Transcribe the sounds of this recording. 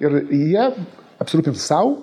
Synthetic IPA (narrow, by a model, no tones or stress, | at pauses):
ɪɾjiɛ | ɐpʲsʲɪɾuːpʲɪnt̪sɐʊ